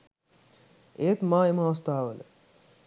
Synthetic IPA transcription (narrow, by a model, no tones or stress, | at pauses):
eːt̪mãːemãst̪aːʋəlḛ